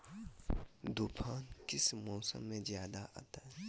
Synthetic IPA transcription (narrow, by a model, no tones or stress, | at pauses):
d̪ukʰaːnkɪsmɔːsə̰̃mːẽzjaːd̪aʔa̰ːt̪aɦɛ